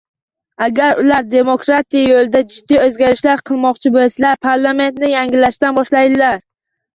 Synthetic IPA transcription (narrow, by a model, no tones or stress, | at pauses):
aɡʲaɾʊlaɾd̪e̞mokɾat̪ʰijajolɪd̪ad͡ʒʊd̪ːiɵzɡʲaɾɪʃlaɾqʰɨlˠmɒqt͡ʃʰɪbolslaɾpʰaɾlˠame̞nt̪nɪjaŋɡʲɪlaʃt̪anbɒʃlajd̪ɪlaɾ